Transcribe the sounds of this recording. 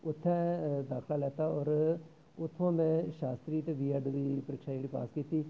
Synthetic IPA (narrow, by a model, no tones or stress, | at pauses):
ʊt̪ʰːãd̪aːkʰlalɛːt̪aɔːɾ | ʊt̪ʰːõːmẽːʃaːst̪ɾiːʈʋiːəɖd̪iːpəɾɪːkʃaːeːɽiːpa̰ːskiːt̪iː